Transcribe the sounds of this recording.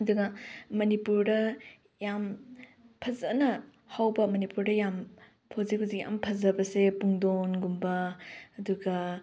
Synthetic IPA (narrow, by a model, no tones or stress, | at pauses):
ɐduɡɐmɐnipuɾdɐ | jam | pʰɐzɐnɐ | hawbɐmɐnipuɾdɐjam | pʰozikhuzikja̰mpʰɐzɐbɐsepuŋdonɡumbɐːduɡɐ